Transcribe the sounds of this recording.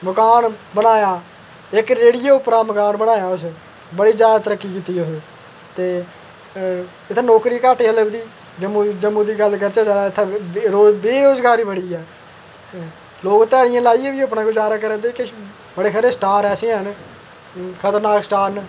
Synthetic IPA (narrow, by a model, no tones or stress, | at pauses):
məkaːnbənaːjaː | ɪkɾeːɽijoːʊpɾaːməkaːnbənaːjaːʊs | bəɽiːd͡ʒjaːd̪at̪əɾəkːiːkiːt̪iːʊs | t̪eː | ɪt̪ʰːãːnoːkɾiːkaːʈeːələbd̪iː | d͡ʒəmud͡ʒəmːũːd̪iːɡəlkəɾt͡ʃaːd͡ʒaːd̪aːɪt̪ʰːaːɾoːbeːɾoːzɡaːɾiːbəɽiːɛː | loːkt̪ɛːɽɪjãːlaːiːeːʋiːəpnãːɡʊzaːɾaːkəɾə̃ːd̪eːke | bəɽeːkʰəɾeːsʈaːɾɛːsẽːɦən | kʰət̪əɾnaːksʈaːɾn